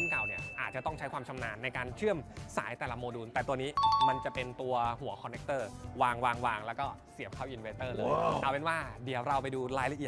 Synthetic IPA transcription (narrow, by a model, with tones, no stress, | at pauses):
ka˨˩wni˦˥˩ɐʔaː˨˩t̪̚t͡ɕa˨˩t̪ɔ˥˩ŋt͡ɕʰjkʰwaː˧mt͡ɕʰa˧mnaː˧nːa˧jkaː˧nt͡ɕʰɯ˥˩əmsa̰ː˩˦jt̪ɛː˨˩la˧˩moː˧duː˧nt̪ɛː˨˩t̪u˧ɐniː˦˥ma˧nt͡ɕa˨˩pe˧nt̪u˧ɐɦu˨˩˦ɐkʰɔ˧nːe˦˥k̚t̪ɤː˥˩waː˧ŋwaː˧ŋwaː˧ŋlɛː˦˥wkɔː˥˩si˨˩˦əp̚kʰaː˥˩wʔi˧nweː˧˥t̪ɤː˥˩lɤː˧ja˧˩pe˧nwaː˥˩di˨˩˦ə˦wɾa˧wpa˧jduː˧laː˦˥jla˧˩ʔi˨˩ət̚